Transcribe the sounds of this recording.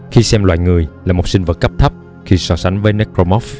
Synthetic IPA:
xi˧sɛ˧mlwa̰ː˧˨jŋɨ˨˩əjlaː˨˩mo˨˩t̚sï˧ŋ̟və˨˩t̚kːə˦˥p̚t̪ʰə˦˥p̚ | xi˧sɔ˧sa˨˦ŋ̟vəː˨˦jne˦˥kɾo˧mɔ˦˥f

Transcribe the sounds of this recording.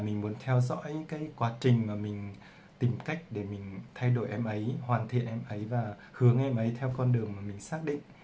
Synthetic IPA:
mï˨˩ŋ̟mu˨˦nt̪ʰɛ˧wzɔ̰˧˥jkaː˨˦jkwaː˨˦t͡ɕï˨˩ŋ̟maː˨˩mï˨˩ŋ̟ | t̪i˨˩mka˦˥jk̟̚ɗe˧˩mï˨˩ŋ̟t̪ʰa˧jɗo˧˩jʔɛ˧mʔə˨˦jhwaː˨˩nt̪ʰḭ˧˨ənʔɛ˧mʔə˨˦jvaː˨˩ | hɨ˨˦əŋʔɛ˧mʔə˨˦jt̪ʰɛ˧wkɔ˧nɗɨ˨˩əŋmaː˨˩mï˨˩ŋ̟saː˦˥k̚ɗḭ˧˨ŋ̟

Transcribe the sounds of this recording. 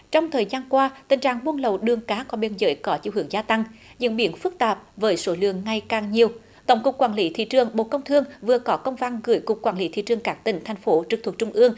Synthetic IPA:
t͡ɕɔ˧wŋ͡mt̪ʰəː˨˩jzaː˧nkwaː˧t̪ï˨˩ŋ̟t͡ɕa̰ː˧˨˩ŋɓu˧ənlə˨˩wɗɨ˨˩əŋkaː˨˦kɔ˨˦ɓi˧nzə̰ː˨˦jkɔ˨˦t͡ɕḭ˧˨wɦɨ̰˨˧˩əŋzaː˧t̪a˧ŋɲɨ̰˧˥ŋɓi˧˦ənfɨ˦˥k̚t̪aː˨˩p̚vəː˨˦jso˨˦lɨ̰˧˨əŋːa˧˩jkaː˨˩ŋɲi˨˩əw | t̪ə˧˦wŋ͡mkʊ˨˩k͡p̚kwaː˧˩nli˨˦t̪ʰḭ˧˨t͡ɕɨ˨˩əŋɓo̰˧˨kə˧wŋ͡mt̪ʰɨ˧əŋvɨ˨˩əkɔ˨˦kə˧wŋ͡mva˧nɣɨ̰˧˩˦jkʊ˨˩k͡p̚kːwaː˧˩nli˨˦t̪ʰḭ˧˨t͡ɕɨ˨˩əŋkaː˦˥k̚t̪ï˨˩ŋ̟t̪ʰa˨˩jŋ̟fo˨˦t͡ɕɨ˨˩t̪ʰk̚t͡ɕʊ˧ŋ͡mʔɨ˧əŋ

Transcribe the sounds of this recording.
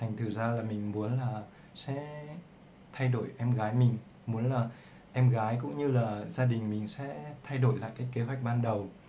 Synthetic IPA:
t̪ʰa˨˩ŋ̟t̪ʰɨ˨˩zaː˧laː˨˩mï˨˩ŋ̟mu˨˦ənlaː˨˩ | sɛ̰˧˥ | t̪ʰa˧jɗo˧˩˨jʔɛ˧mɣaː˨˦jmï˨˩ŋ̟ | mu˨˦nlaː˨˩ | ʔɛ˧mɣaː˨˦jkʊ̰˧˥ŋ͡mɲɨ˧laː˨˩zaː˧ɗï˨˩ŋ̟mï˨˩ŋ̟sɛ̰˧˥t̪ʰa˧jɗo˧˩jla̰ː˧˨jkaː˨˦jke˨˦ɦwa˨˩k̚ɓaː˧nɗə˨˩w

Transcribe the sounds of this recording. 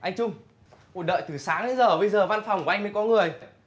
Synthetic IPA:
ʔa˧jŋ̟t͡ɕʊ˧ŋ͡m | kṵ˨˩nɗə̰ː˧˨jt̪ɨ˨˩saː˨˦ŋa˨˦zəː˨˩ɓə˧jzəː˨˩va˧nfɔ˨˩wŋ͡mka˧jmə˨˦jkɔ˨˦ŋɨ˨˩əj

